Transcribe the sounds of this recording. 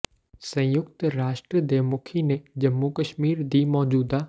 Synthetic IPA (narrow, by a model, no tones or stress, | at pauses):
sɐ̃jʊkt̪ɾaːʃʈɾəd̪eːmʊkʰinẽd͡ʑɐmːukəʃmiːɾd̪ʱimɔːd͡ʑuːd̪a